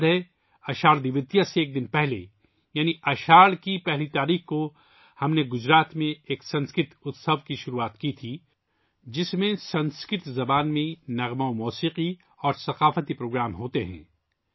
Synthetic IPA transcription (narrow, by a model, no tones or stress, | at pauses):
d̪ɦɛ | ɐʃaːɾd̪iʋɪt̪ijaseːk̚d̪ɪnpɛɦlḛ | jaːniɐʃaːɾkipɛɦlit̪aːɾiːxko | hɐmneɡʊd͡ʒɾaːt̪mẽeːksɐ̃nskɪt̪ʊt̪səʋkiʃʊɾuaːt̪kit̪ʰi | d͡ʒɪsmẽsɐ̃nskɪʈ̪zɐbaːnmẽnɐɣmaomɔːsiːqi | ɔːɾsɐqaːfət̪ipɾoːɡɾaːmɦoːt̪eɦɛ̰̃ː